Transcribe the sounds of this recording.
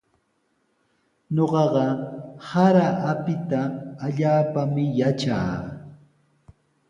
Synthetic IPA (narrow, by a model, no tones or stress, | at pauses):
ɲoɢɑɢɑhaɾaʔapɪt̪aːʎaːpamɪjat͡ʃa̰ː